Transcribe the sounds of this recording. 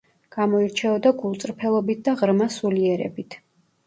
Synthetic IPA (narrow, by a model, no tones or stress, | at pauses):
ɡ̥amɔiɾt͡ʃʰɛɔd̪aɡulˠt̪sʼɾpʰɛlˠɔbit̪̚d̪aʁɾmasuliɛɾɛ̰bit̪ʰ